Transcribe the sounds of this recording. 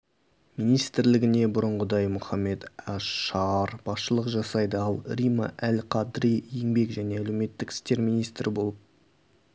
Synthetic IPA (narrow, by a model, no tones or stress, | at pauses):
minijst̪ɪɾlɪɡʲɪne̞bʊɾʊɴʁəd̪ɑjmʊχɑmːe̞t̪ɑɑɾb̥ɑsʃəlˠəqʒɑsɑjd̪əɑlˠɾimɑ̰ʔælqʰɑd̪ɾijjeŋbe̞kʒæne̞ælewme̞t̪ːɪkʲʰɪ̥st̪e̞ɾmijnijst̪ɾʔɪbo̞lˠəp̚